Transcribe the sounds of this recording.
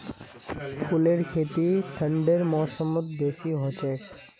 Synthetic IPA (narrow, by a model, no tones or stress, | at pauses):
kʰuleɾkʰet̪iʈʰəɳɖeɾmɔsomot̪beʃiɦot͡ʃek